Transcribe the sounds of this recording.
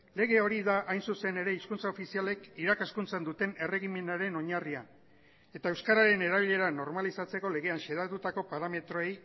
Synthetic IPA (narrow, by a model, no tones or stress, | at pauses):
le̞ɣe̞o̞ɾiðaʔajnsuse̞ne̞ɾe̞iskunt͡sao̞fisiale̞kiɾakaskunt͡send̪ut̪e̞ne̞re̞ɣ̞ime̞naɾe̞no̞ɲaria̰ | e̞t̪ae̞wskaɾaɾe̞ne̞ɾaβiʎe̞ɾano̞ɾmalisat͡se̞ko̞le̞ɣe̞anʃeðat̪ut̪ako̞paɾame̞t̪ɾo̞e̞j